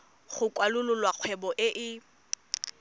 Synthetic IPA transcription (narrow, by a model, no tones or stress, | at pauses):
χʊkʼwalʊlʊlwaq͡χʰwɛbɔʔɪʔɪ